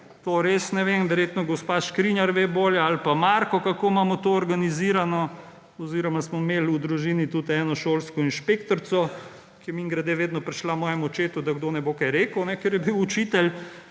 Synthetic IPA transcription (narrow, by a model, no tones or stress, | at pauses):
t̪oɾesnɛʋemʋɛɾjeːt̪nɔɡɔspaʃkɾinjaɾʋeboːljɛalpamaɾkɔkakoːmaːmɔt̪oɔɾɡaniziːɾanɔ | ɔziɾɔmasmɔmeːlud̪ɾuʒiːnit̪ut̪ɛːnɔʃoːlskɔinʃpekt̪ɔɾsɔ | kiɛmiŋɡɾad̪eːʋeːd̪nɔpɾɛʃlamɔːjɛmɔt͡ʃeːt̪ud̪aɡd̪onɛbokajɾeːkəwnɛkeɾjɛbiwut͡ʃit̪ɛl